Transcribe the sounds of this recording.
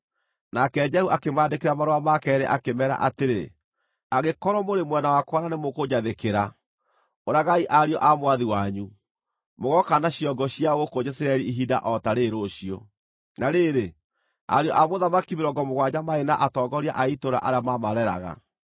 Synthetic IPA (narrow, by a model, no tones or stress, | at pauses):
nakɛd͡ʒɛhuʔakemaːdekeɾamaɾoamakɛːɾɛʔakemɛɾa̰ʔateɾḛ | aɣekɔɾɔmoɾemwɛnawakwananemokod͡ʑaðekeɾa | oɾaɣaiʔaɾiɔʔamwaðiwaɲu | moɣɔkanaɕiɔɡɔɕiaɣokod͡ʒɛsiɾaɛɾiiɦida̰ʔɔtaɾeɾoɕijɔ̰ | naɾeːɾe | a̰ɾiɔʔamoðamakimeɾɔɡɔmoɣwaɲamaenaʔatɔːɡɔɾiaʔaitoɾa̰ʔaɾeamamaɾɛɾa̰ɣa̰